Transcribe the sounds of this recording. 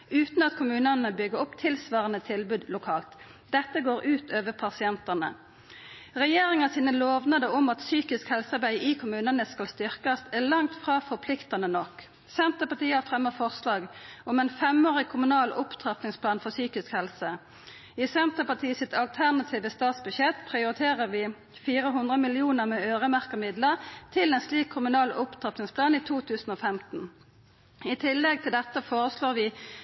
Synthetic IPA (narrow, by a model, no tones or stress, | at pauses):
ʉːt̪n̩ɑt̪kʰʊmʉːnənəbʏɡəʁʊpt̪ʰɪlsʋɑːʁənət̪ʰɪlbʉːd̪lʊkʰɑːlt̪ | d̪ɛt̪ːəɡoːʁʔʉːt̪ʰøːʋəpʰɑsɪɛnt̪ɑnə̰ | ʁɛjeːʁɪŋɑsiːnəloːʋnɑd̪əɔmɑt̪syːkɪskhɛlsɑʁbæɪʔiːkʰʊmʉːnənəskɑlst̪ʏʁkɑsæʁlɑŋt̪fʁɑːfɔpʰlɪkt̪ɑnənɔk | sɛnt̪əpɑt̪iːəɑfʁɛmːəfɔʁslɑːɡɔmɛːnfɛmoːʁɪkʰʊmʉnɑːlʊpt̪ʰʁɑp̪nɪŋspʰlɑːnfɔsyːkɪskhɛlsə | isɛnt̪əpɑt̪ʰiːəsɪt̪ɑlt̪ʰæʁnɑt̪ʰiːʋəst̪ɑːt̪sbʉɕɛt̪pʰʁɪʊʁɪt̪ʰeːʁəʁʋɪː | fiːʁəɦʉnd̪ʁəmɪlɪuːnəʁmɛːøːʁəmæʁkəʁmɪd̪ləʁt̪ʰɪlɛnsliːkʰːʊmʉnɑːlʊpt̪ʰʁɑp̪nɪŋspʰlɑːniːt̪ʰuːt̪ʰʉːsn̩oːfɛmt̪n̩ | ɪt̪ʰɪlːɛɡ̚t̪ʰɪld̪ɛt̪ːəfoːʁəsloːʁʋɪː